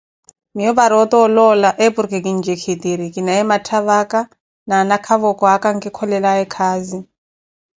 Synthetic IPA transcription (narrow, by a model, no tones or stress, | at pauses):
mijɔβaɾɔt̪ɔɔlɔlaʔepuɾkekind͡ʒekʰit̪iɾikinaɛmatʰaβaka | naːnakʰaβɔkɔakaŋ̩kikʰɔlɛlaɛkʰaːzi